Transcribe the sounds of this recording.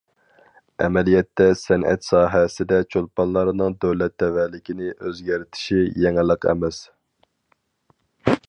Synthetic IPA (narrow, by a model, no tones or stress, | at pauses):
ɛ̰mɛlijɛt̪ːɛsɛnʔɛ̰t̪sɑːɦɛsɪd̪ɛt͡ʃʰolˠpɑnlˠɑɾɨnɨŋd̪øwlɛt̪ʰːɛvælɪkʲinɪʔøzɡʲæɾt̪ʰɪ̥ʃijɛŋɪlˠəqʰɛ̰mɛs